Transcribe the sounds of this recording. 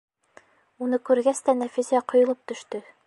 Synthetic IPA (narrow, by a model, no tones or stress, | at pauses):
unɤkʉɾɡæst̪ænæfizʲæqŏjŏlˠɤp̚t̪ɵ̆ʃt̪ɵ